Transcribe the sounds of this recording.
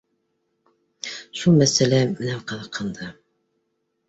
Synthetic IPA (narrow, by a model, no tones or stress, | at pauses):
ʃulˠmæsælæmɘnæqɤ̆ðɤ̆qʰːɤ̆nd̪ɑ